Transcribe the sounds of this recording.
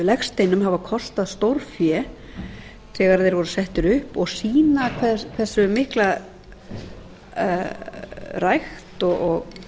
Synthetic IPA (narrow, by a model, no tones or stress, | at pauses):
lɛxst̪ejnʏmhavakʰɔst̪aðst̪owɾ̥fjɛ | θɛːɣaɾaθeɾvɔɾʏsɛht̪ʏɾʏhpɔɣsiːnakʰvɛkʰvɛsʏmɪhkla | rajxt̪ɔɔɣ